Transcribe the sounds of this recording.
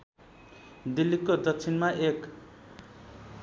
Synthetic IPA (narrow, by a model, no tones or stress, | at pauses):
d̪ilːikːod̪ʌk̚t͡sʰinmaʔek